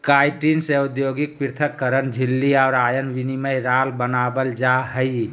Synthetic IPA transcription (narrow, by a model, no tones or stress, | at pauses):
kajʈinseud̪joɡik̚piɾt̪ʰəkːəɾənd͡ʒʱilːiaʊɾajənʋiniməjɾalbənabəld͡ʒaɦəj